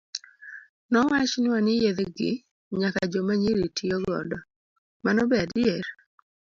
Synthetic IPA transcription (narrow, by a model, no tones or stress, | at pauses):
nɔwat͡ʃnɪwanɪjed̪ɡɪ̰ | ɲaka̰d͡ʒomaɲiɾitʰijoɡɔ̰dɔ | manɔbeadɪɛɾ